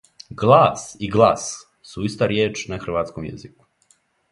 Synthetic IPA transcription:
ɡlˠaːsiɡlˠaːs | suist̪aɾjeːt͡ʃnaxr̩ʋaːt̪skomjḛziku̥

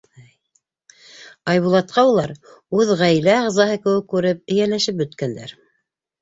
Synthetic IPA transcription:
ɑjβulˠɑt̪̚qɑulˠɑɾ | ʉðʁæjlæɑʁzɑɦɤkɘ̆wɘkːʉɾɘp̚ɘ̆jænæʃɘp̬̚bɵ̆t̪kænd̪æ̰ɾ

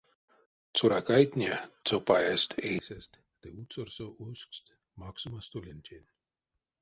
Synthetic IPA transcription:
t͡sʰuɾakajt̪ʲnʲet̪t͡s̪opajest̪ʰejsest̪ | t̪eut̪sorsoʔuskst̪ | mɑksumast̪ulʲenʲt̪ʲʰenʲ

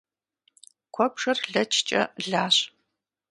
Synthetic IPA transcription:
kʷʰɔpʂɐrɮɐt͡ʃʰt͡ʃʼɐ̰ɮaːɕʼ

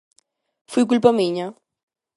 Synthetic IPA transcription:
fujk̬ulpamiɲɐ

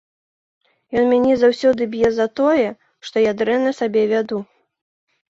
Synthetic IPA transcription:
jɔnmʲanʲɛzawsʲɔd̪ɨbʲjɛzɐt̪ɔjɛ | ʂt̪ɔjad̪ɾɛnɐsabʲɛvʲad̪u

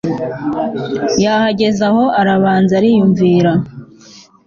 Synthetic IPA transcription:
jaːhaɟe̞zaho̞ʔaɾaβaːnzaɾijuɱviːɾa

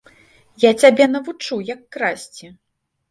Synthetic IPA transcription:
jat͡sʲabʲɛnɐvut͡ʂujɐkːɾasʲt͡sʲi

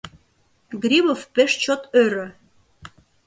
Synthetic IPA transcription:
ɡɾʲiβofpeʃt͡ɕot̪øɾø

